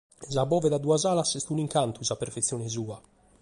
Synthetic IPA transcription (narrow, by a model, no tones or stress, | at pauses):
zabɔːvɛd̪ad̪uazaːlasest̪uniŋkant̪uzapːeɾfet̪sːjɔːnɛzuːa